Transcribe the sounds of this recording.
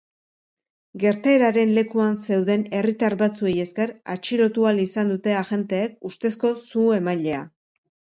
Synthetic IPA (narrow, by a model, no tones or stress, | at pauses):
ɡe̞ɾt̪ae̞ɾaɾe̞nle̞kuanse̞wðe̞ne̞rit̪aɾβat͡sue̞je̞ske̞ɾa̰t͡ʃiɾo̞t̪ualisand̪ut̪e̞aʝe̞nt̪e̞ːk̚ust̪e̞sko̞sue̞maʎe̞a̰